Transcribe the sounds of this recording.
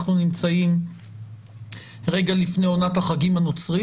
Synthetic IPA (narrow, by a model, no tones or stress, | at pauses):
χnunimt͡saim | ʁe̞ɡalifnejo̞nat̪haχaɡimanot͡sʁi